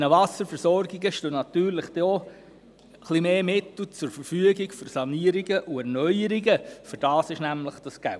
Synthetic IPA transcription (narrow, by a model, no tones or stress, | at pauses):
nəʋɑsəɾfəɾsɔrɡiɡəʃtøːnɑt̪yːɾləχd̥ɛɔ | χlimeːmɪt̪l̩t͡sʊɾfəɾfyəɡiɡføɾsɑniəɾiɡəʔuɛrnœjəɾiɡəfʏɾd̥ɑːsɪʃnæmləχd̥ɑsɡ̥ælt